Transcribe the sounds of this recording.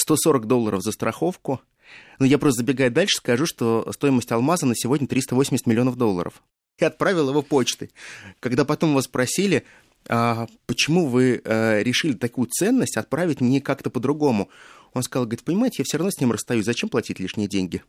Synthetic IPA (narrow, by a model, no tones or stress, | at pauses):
st̪o̞so̞ɾəkd̪o̞lˠːəɾəfzəst̪ɾʔɐxo̞fkʊ | nujapɾost̪əzbʲɪɡajʊd̪alʲʂɨ̥skɐʐuʂt̪o̞st̪o̞jɪməsʲtʲɐlˠmazənəsʲɪvo̞dʲnʲət̪ɾʲist̪əvosʲɪmʲɪsʲt̪ʲmʲɪlʲɪo̞nəvd̪o̞lˠːə̰ɾə̰f | ɪɐt̪̚pɾavʲɪlˠəjɪvopot͡ɕt̪ɨkaɡd̪apɐt̪o̞mvasspɾɐsʲilʲɪ | apət͡ɕɪmuvɨəɾʲɪʂɨlʲɪt̪ɐkujʊt̪sɛnːəsʲtʲɐt̪̚pɾavʲɪtʲmnʲekakt̪əpəd̪ɾʊɡo̞mʊ | o̞nskɐzlˠɡəɾʲɪt̪̚pənʲɪmaɪtʲɪjafsʲoɾɐvnosʲnʲimrəst̪ɐjusʲzɐt͡ɕemplˠɐtʲitʲlʲiʂnʲɪjədʲenʲɡʲɪ